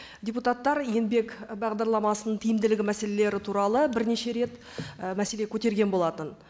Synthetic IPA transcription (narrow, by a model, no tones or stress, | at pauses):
dʲejput̪at̪ːɑɾje̞nbe̞kbɑʁd̪ɑɾlˠɑmɑsənəɴt̪ʰijɪmd̪ɪlɪɡʲɪmæse̞le̞le̞ɾɪt̪ʰuɾɑlˠəbɪɾne̞ʃe̞ɾe̞t̪ | mæse̞le̞kʲʰɵt̪e̞ɾɡʲe̞nbo̞lˠɑt̪ən